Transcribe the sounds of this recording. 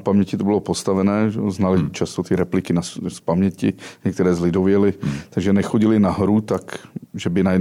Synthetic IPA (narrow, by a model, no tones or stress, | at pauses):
pamɲɛcɪt̪obɪlopost̪avɛnɛːʒɛznalɪt͡ʃast̪ot̪ɪɾɛplɪkɪnasspamɲɛcɪɲɛk̚t̪ɛɾɛːzlɪdovjɛlɪt̪aɡʒɛnɛxoɟɪlɪnaɦɾut̪akʒɛbɪnajɛ